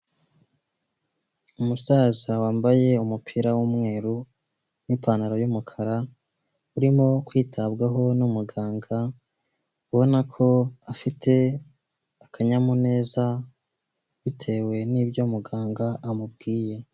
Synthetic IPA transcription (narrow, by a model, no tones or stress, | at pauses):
umusaːzawaːmbaje̞umupʰiɾawumŋe̞ːɾu | nipʰaːnaɾojumukʰaɾa | uɾimo̞kwiːtʰabɡaɦo̞numuɡaːŋɡa | uβo̞nakʰo̞afitʰe̞ | akʰaɲamune̞ːza | βitʰe̞we̞niːbɟo̞muɡaːŋɡaʔamubɡiːje̞